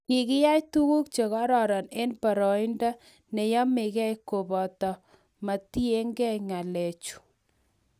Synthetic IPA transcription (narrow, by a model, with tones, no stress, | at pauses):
kɪ˨kɪ˦ja˦jtu˦ku˦kt͡ʃe˨ɣɔ˦ɾɔ˨ɾɔ˨ne˦npa˨ɾɔ˨i˦nda˦ | nɛ˨jɔ˦mɪ˨kɛ˦jko˨bɔ˨tɔ˨ | ma˨ti˦e˦ŋɡɛ˦ŋa˨lɛ˨t͡ʃu̥˨